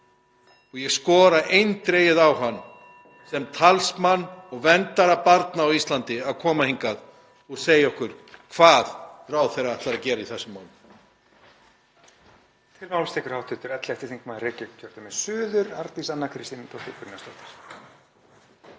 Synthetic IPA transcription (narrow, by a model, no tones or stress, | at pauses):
ɔɣjɛɣskɔːɾaʔejnt̪ɾeːjɪðawɦanː | sɛmt̪ʰalsmanːɔɣvɛnt̪aɾapaɾt̪naːwist̪lant̪ɪaðkʰɔːmahiŋkað | ɔɣseːjaɔhkʏɾ̥kʰvaːðraːwθɛejraat̪aɾacɛːɾaiθɛsːʏmːaːwnɪ | t̪ʰɪlmawlst̪ɛːkʏɾ̥hawt̪ʰʏt̪ʏɾɛt̪lɛht̪ɪ̥θiŋkmaðɾrɪcɛkcʰœɾ̥t̪amɛðsʏːðʏɾaɾt̪isanːakʰɾɪst̪inɪt̪ʰɔt̪ɪkʏɾnast̪ɔft̪ɪ̥ɾ̥